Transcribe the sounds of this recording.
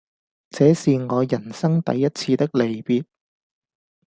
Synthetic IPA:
t͡sɛː˨˥siː˨ŋɔː˨˧jɐ˨˩nsɐ˥ŋt̪ɐ̰˨˥jːɐ˥t̚t͡sʰiː˧t̪ɪ˥k̚le˨˩jpiː˧t̚

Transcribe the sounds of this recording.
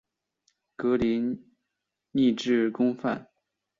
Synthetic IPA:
kɤ˧˥li˧˥n | ni˥˧ʈ͡ʂɻ̩˥˩kʊ˥ŋfa̰˥˩n

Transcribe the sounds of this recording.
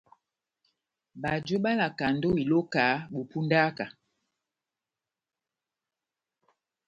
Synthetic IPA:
ba˨d͡ʒo˦ɓa˦la˨ka˨ndo˦i˨lo˦ka˨˦ɓo˨pu˦nda˦ka˨

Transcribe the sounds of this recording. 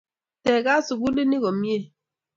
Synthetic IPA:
tɛ˨ɡa˦su˨ɡu˦li˦ni˦ɣɔ˨mi˦e˦˨

